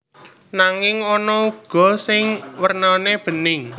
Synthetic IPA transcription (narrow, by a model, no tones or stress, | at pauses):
naŋɪŋɔnɔuɡ̥ɔ̤sɪŋwərnaneb̥ə̤nɪŋ